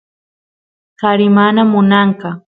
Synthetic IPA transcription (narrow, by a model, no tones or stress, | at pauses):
kaɾɪmanamʊnɑɴkɑ